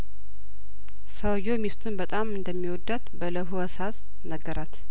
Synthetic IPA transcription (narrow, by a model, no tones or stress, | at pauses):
səwjomist̪ʰunbət̪ʼamɨnd̪əmːiwɔd̪ːat̪bələɦuəsas | nəɡːəɾʔat̪